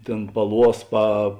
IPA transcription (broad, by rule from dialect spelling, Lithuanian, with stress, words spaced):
ˈtʲeːn pɐˈlˠuɔs pɐ